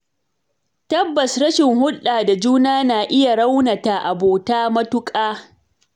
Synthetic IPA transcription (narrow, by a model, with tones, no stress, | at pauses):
tɐ˦bːɐ˨sɾɐ˦ʃɪ˨ŋhʊ˦ɗaː˨da˨d͡ʒuː˦naː˦naː˨ʔɪ˦ja˨ɽa˦wna˨ta˨ʔa˨boː˨taː˦mɐ˦tʊ˦kʼaː˦